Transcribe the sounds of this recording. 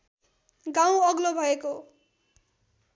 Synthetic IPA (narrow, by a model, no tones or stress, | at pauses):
ɡãw̃ʌɡlobʱʌeko